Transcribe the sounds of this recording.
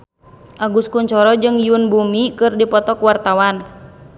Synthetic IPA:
ʔaɡuskuɲt͡ʃɔɾɔd͡ʒɨŋjunbumikɨrdipɔt̪ɔkwart̪awan

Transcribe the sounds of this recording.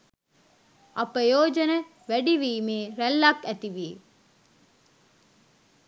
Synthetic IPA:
ʔɐpəjoːd͡ʒɐnə | ʋæɖiʋiːmeːɾælːɐkæt̪iʋiː

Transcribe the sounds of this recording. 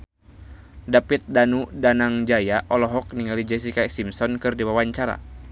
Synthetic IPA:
dapit̪̚danudanaŋd͡ʒajaʔɔlɔɦɔk̚niŋalid͡ʒɛs̬ikasimsɔnkɨrdiwawaɲt͡ʃaɾa̰

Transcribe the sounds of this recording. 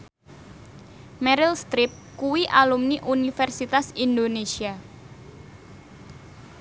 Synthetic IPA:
mɛɾɪlst̪ɾɪp̚kuwiʔalumniʔunifɛrsit̪asind̪onesia

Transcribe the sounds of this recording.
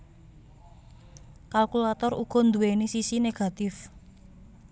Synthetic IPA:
kalkulat̪ɔruɡ̥ɔ̤nd̪uwenisisineɡ̥a̤t̪ɪf

